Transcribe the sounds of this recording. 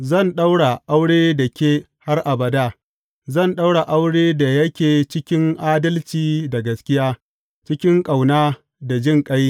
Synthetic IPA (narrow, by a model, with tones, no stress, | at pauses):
zɐ˦˨nɗa˦wɽa˨ʔa˦wɽeː˦da˨kʲeː˦ | ha˦rʔa˨bɐ˨daː˦ | zɐ˦˨nɗa˦wɽa˨ʔa˦wɽeː˦da˨jɐ˦kʲeː˨t͡ʃɪ˦kʲɪ˦ŋʔaː˦dɐ˦lt͡ʃiː˨da˨ɡɐ˨skʲɪ˦jaː˦ | t͡ʃɪ˦kʲɪ˦ŋkʼa˨wnaː˦ | da˨d͡ʒɪ˦˨ŋkʼa˦j